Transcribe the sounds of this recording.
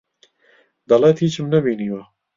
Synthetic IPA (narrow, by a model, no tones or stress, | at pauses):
d̪ɑlaːt̪hiːt͡ʃmnɛbiːniːwa